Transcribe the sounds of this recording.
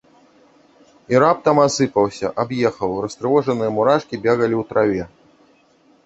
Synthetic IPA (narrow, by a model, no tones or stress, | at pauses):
iɾap̚t̪ɐmasɨpɐwsʲɐʔabjɛxɐwrɐst̪ɾɨvɔʐɐnɨjɐmuɾaʂkʲibʲɛɣɐlʲiwt̪ɾavʲɛ